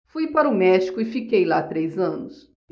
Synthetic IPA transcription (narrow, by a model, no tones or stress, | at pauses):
fujpaɾʊmɛʃi̥kʊɪfikejlat̪ɾejzɐ̃nʊs